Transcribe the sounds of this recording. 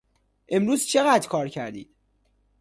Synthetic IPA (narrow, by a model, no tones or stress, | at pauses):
ʔe̞mɾuːzt͡ʃʰeɣæːd̪kʰɒːɾcʰæɾd̪ḭːd̪̥